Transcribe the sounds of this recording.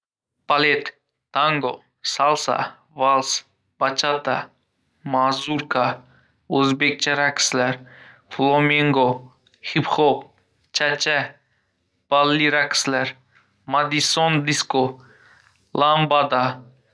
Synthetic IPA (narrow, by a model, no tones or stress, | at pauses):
b̥alet̪ː | aŋɡo | salsa̰ | valˠs | b̥at͡ʃʰat̪a̰ | mazuɾkʰa | uzbek̚t͡ʃʰaɾaksleɾ | flomiŋɡo | hipχop̚ | t͡ʃʰat͡ʃːɛ | b̥alːiɾakslɛɾ | mad̪isond̪isko | lambad̪a